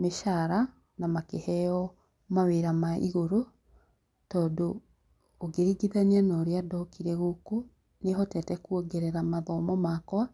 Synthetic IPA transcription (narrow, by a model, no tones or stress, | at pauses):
meʃaɾa | namakehɛɔ | maweɾamaḭɣoɾo | tɔːndoː | ɡeɾiɡiðanianaoɾeadɔkiɾɛɣoko | neɦɔtɛtɛkuɔɡɛɾɛɾamaðɔmɔmakwa